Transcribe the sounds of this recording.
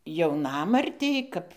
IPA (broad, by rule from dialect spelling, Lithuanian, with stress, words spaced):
jɛʊˈnɑːmɐrʲtʲɛɪ ˈkɐp